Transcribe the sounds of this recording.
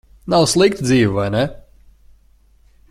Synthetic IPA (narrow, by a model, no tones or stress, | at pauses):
nawslˠik̚t̪d̪ziːvivajnɛ